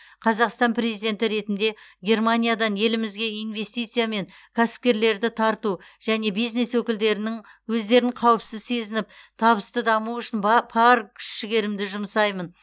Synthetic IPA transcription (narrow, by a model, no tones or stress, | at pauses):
qʰɑzɑqst̪ɑnpʰɾe̞zijd̪e̞nt̪ɪɾe̞t̪ɪnd̪e̞ɡʲe̞rmanʲijad̪ɑnje̞lɪmɪzɡʲe̞ijnve̞st̪ijt̪sijame̞ŋkʲʰæsɪ̥p̚kʲe̞ɾle̞ɾd̪ɪt̪ʰɑɾt̪uʒ̥æne̞bijzne̞swɵkʲɪld̪e̞ɾɪnɪŋwɵzd̪e̞ɾɪɴqʰɑwəpsɪzse̞zɪnɪp̚t̪ʰɑβəst̪əd̪ɑmuʏʃɪnbɑɾkʲʰʏ̥ʃʃɪɡʲe̞ɾɪmd̪ɪʒʊmsɑjmən